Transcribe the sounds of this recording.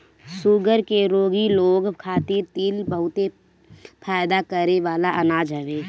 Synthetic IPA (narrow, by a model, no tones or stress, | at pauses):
suɡəɾkeɾoːɡiloːɡkʰaːt̪ɪɾt̪iːlbəɦʊt̪e | pʰaːɪd̪akəɾeʋaːlaʔənaːd͡ʒɦɛʋeː